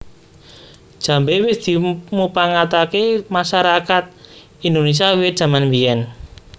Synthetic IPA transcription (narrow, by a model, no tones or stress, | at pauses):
d̥ʒ̥a̤mbewɪsd̪̥i̤mupaŋat̪akemaʃaɾakat̪̚ | ind̪ones̬iawɪd̥ʒ̥a̤manmbiɛn